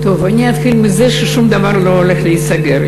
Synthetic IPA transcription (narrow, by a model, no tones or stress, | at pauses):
t̪ovanʲiat̪xilmɪzɛʃeʃumd̪avaɾloɦolexleisaɡeɾ